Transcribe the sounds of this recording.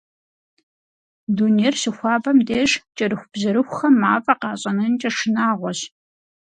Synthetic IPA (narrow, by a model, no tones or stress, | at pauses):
duːneːrɕɪxʷɑːbɐmdeːʂt͡ʃʼɐɾɨxʷʊbzɐɾɨxʷxɐmːaːfʼɐqɑːɕʼɐnɐnt͡ʃʼɐʂɨnaːʁʷɔɕ